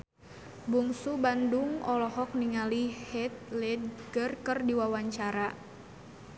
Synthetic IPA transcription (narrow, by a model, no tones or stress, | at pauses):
buŋsubanduŋɔlɔɦɔk̚niŋalihɛt̪̚lɛd̚ɡərkərdiwawaɲt͡ʃaɾa